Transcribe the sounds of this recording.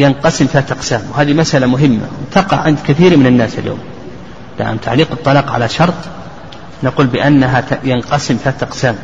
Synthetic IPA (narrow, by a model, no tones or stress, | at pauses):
jɪnqɑsɪmθaːt̪ʔɑqsaːmwɦaːðimasʔalamʊɦɪmːa̰wt̪ɑqɑʕʕɪnd̪kɪθiːɾmɪnanːaːsaljo̰ːm | la̰ʔa̰mt̪ʰaʕliːqɨt̪ˤːɑlɑːqʕa̰laʃɑɾˤt̪ˤ | naquːlbɪʔanːaɦajanqɑsɪmθaːt̪ʔɑqsaːm